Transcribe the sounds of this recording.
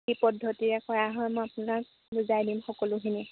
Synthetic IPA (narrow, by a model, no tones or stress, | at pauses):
ipɔdʱːɔtiɹɛkɔjaɦɔjmɔjapʊnak̚ | buzajdimxɔkɔlʊkini